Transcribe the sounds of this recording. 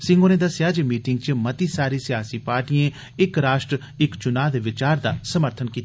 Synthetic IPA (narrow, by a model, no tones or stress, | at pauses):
sɪ̃ŋɡonẽːd̪əsɪjaːd͡ʒemiːʈɪŋɡt͡ʃmət̪iːsaːɾiːsɪjaːsiːpaːɾʈiẽː | ɪkɾaːʃʈɾə | ɪkt͡ʃʊnaːd̪eːʋɪt͡ʃaːɾd̪aːsəməɾt̪ʰənkiːt̪ː